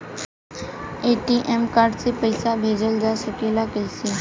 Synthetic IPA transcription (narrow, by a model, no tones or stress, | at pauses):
eːʈiːʔɛmkaːɾɖsepəɪsabʱeːd͡ʒəld͡ʒaːsəkeːlakəiseː